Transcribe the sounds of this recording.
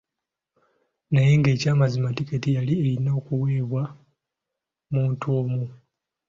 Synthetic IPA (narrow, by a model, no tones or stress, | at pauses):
najeŋɡe̞ːcaːmazimatiketijalielinːoːkuwe̞ːβwa | muːntuo̞ːmu